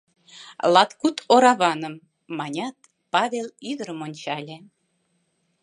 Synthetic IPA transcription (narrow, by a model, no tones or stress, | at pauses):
lˠɑt̪kut̪oɾɑβɑnəmː | ɑnʲɑt̪̚ | pɑβʲelyðəɾəmonʲt͡ɕɑlʲe